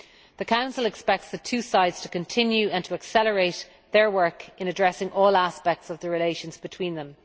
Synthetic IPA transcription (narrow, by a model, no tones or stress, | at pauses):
ðəkʰãʊ̃nsəlɛkspɛk̚tsðətʰʉːsaɪdz̥tʰə̥kə̃ntʰɪ̃njʉə̃ntʰəəksɛləɹeɪt̪ | ðə˞wɜ˞kɪ̃nədɹɛsɪ̃ŋʔɔːlaspɛk̚tsʌvðəɹɪleɪʃə̃nzbɪtʰw̥ĩːnðə̃m